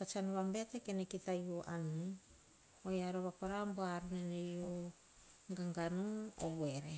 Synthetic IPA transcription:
pat͡ʃanuβambetekenekitajoʔanːi | ojaɾoβakoɾamboaɾunenejo | ɡaŋɡanuoweɾe

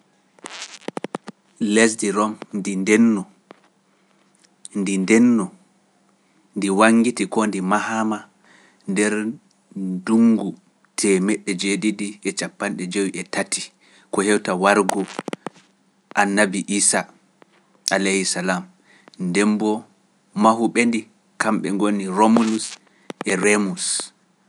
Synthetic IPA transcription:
lesdiɾɔmndindɛnːɔ | ndindɛnːɔ | ndiwaŋɡitikɔndimahama | ndɛɾ | duŋɡu | tʰɛmɛɗːɛd͡ʒeɗidiɛt͡ʃapːanɗɛd͡ʒowiʔɛtati | kɔhɛwtawaɾɡɔ | ʔanːabiʔiːsa | ʔalehisalam | ndɛmbɔ | maɦuɓendi | kamɓɛŋɡonːiɾomulus | ʔɛɾemus

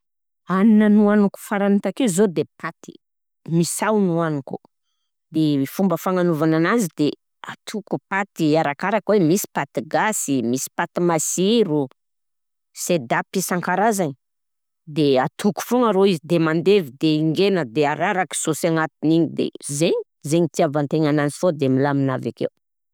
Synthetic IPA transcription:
aninənuanuku̥faɾanit̪akizod̪epʰat̪i̥ | misawnuanuku̥ | d̪eifumbəfaŋanuvananazid̪e | at̪ʰukupat̪iaɾakaɾakwemisi̥pat̪iɡasimisi̥pat̪imasiɾu | sed̪apisaŋkaɾazaɲi | d̪eat̪ʰuku̥foŋaɾoizid̪emand̪evid̪eiŋɡenəd̪eaɾaɾaki̥sosaŋat̪iniɲid̪ḛzeɲi | zeɲit̪iavant̪eɲanazifod̪emilaminavakḛw

